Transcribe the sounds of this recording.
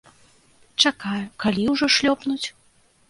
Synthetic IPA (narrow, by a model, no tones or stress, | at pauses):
t͡ʂakajukalʲiwʐɔʂlʲɔpnut͡sʲ